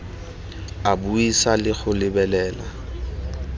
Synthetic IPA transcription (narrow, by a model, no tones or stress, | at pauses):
abuisalɪɣʊlɪbɛlɛːla